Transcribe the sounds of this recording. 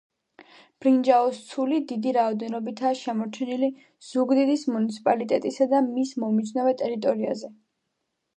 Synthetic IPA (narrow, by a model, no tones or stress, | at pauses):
b̥ɾind͡ʒaɔst̪sʰulid̪id̪iɾaɔd̪ɛnɔbit̪ʰaːʃɛmɔɾt͡ʃʰɛnili | z̥uɡd̪id̪ismunit̪sʰi̥pʼalit̪ʼɛt̪ʼisad̪amismɔmid̪sʰnɔvɛt̪ʼɛɾit̪ʼɔɾia̰zɛ